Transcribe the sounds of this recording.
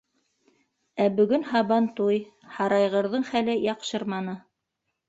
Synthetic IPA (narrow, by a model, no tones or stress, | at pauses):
æbɵ̆ɡɵnhɑβɑnt̪uj | hɑɾɑjʁɤ̆ɾðɤɴχælɘjɑqʃɤɾmɑnɤ